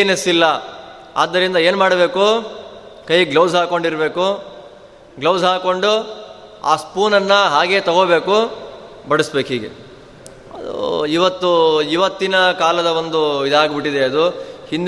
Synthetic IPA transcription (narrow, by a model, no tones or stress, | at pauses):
nesilːɐ | a̰ːd̪ːɐɾind̪ɐeːnmaːɽɐbe̞ːku | kɐjɡlɐwsɦaːko̞ɳɖiɾbe̞ːku | ɡlɐwsɦaːko̞ɳɖu | a̰ːspuːnɐnːɐɦaːɡe̞ːt̪ɐɡobe̞ːku | bɐɽusbe̞ːkɦiːɡḛ | ɐ̰d̪ṵiʋɐt̪ːuiʋɐt̪ːinɐkaːlɐd̪ɐʋo̞nd̪uʋid̪aːɡbiʈːid̪e̞ɐd̪uhind̪